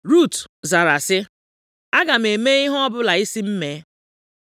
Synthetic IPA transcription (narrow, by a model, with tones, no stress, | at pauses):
ɾu˦˨tza˨ɾa˨sɪ˦ | a˦ɡa˨m̩˨e˨me˦i˦ɦɔ˦bʊ˦la˨i˦si˦m̩˦me˦